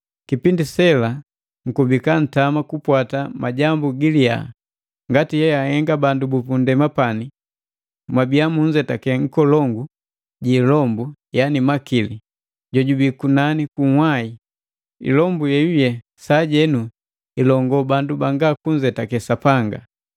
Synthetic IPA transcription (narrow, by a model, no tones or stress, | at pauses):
kipindisɛla | ŋ̩kubikan̩tamakupwatamʔaɟambuɡilia̰ | ŋɡatihɛjahɛŋɡabandubupundɛmapani | mwabiamuɲd͡ʒɛtakɛŋ̩kɔlɔŋɡu | ɟiːlɔmbujanimakili | ɟɔɟubikunanikuhwai | ḭlɔmbujɛjujɛ | saɟɛnu | ilɔŋɡɔbandubaŋɡakuɲd͡ʒɛtakɛsapaŋɡa̰